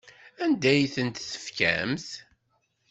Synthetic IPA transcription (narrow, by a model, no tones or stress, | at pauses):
ænd̪æjθənt̪θə̥fkæ̰mθ